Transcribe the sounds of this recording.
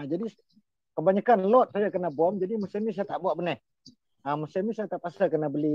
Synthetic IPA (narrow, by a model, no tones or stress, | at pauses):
ad͡ʒadi | kəbaɲakanlɔt̪̚sajakənabɔmd͡ʒadimusɛmisajat̪aʔbuaʔbənɛh | əmusɛmisajat̪aʔpasakənabəli